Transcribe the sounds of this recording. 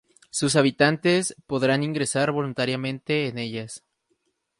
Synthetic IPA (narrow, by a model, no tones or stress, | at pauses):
sus̬aβ̞it̪ant̪e̞spo̞ðɾaniŋɡɾe̞saɾβo̞lunt̪aɾjamẽ̞nt̪e̞ːne̞ʝas